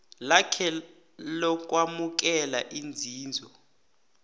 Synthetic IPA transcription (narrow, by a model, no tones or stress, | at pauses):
lakʰɛ | lɔk̬ʼwamuk̬ɛlaʔind͡zʱiːnd͡zʱɔ